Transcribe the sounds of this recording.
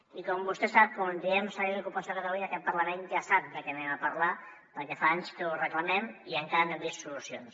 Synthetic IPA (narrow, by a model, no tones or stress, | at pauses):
ikɔmbust̪ɛsap̚kund̪iɛmsəiəkupəsokat̪əluɲaəkɛt̪̚pəɾləmend͡ʒasap̚d̪əkɛnɛməpəɾla | pəɾkɛfaaɲskəurəkləmɛmiəŋkaɾənɛmbist̪sulusions